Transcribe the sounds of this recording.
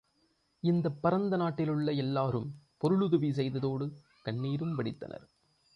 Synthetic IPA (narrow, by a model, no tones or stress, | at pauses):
ɪnd̪ɐpːɐɾɐnd̪ɐnaːʈːɪlɯɭːɐɛlːaːɾɯmpɔɾɯɭɯðɯʋis̬ɛjðɐðoːɽɯ | kɐɳːiːɾɯmʋɐɽɪt̪ːɐ̰nʔɐ̰ɾ